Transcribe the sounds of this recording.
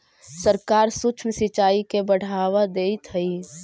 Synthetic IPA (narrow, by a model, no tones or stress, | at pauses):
səɾkaːɾsʊt͡ʃʰmsɪt͡ʃaːikebəɽ̤aːʋad̪eːit̪ɦəi